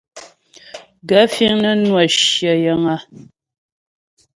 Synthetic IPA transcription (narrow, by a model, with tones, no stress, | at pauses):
ɡə˨˦fi˦ŋnə˦nwa˨ʃjə˨jə˨ŋa˦